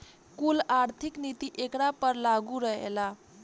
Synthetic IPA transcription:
kulaɾt̪ʰiknit̪iʔekɽapəɾlaɡuɾəɦḛla

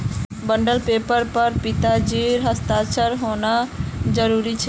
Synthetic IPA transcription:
bəɳɖəlpeːpəɾpəɾpɪt̪ad͡ʒiːɾɦəst̪aːt͡ʃʰəɾɦonad͡ʒəɾuɾit͡ʃʰe

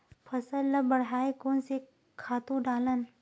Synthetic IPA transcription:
pʰɐsəlːɐbɐɽɦaːekoːnse | kʰaːt̪ũɖaːlən

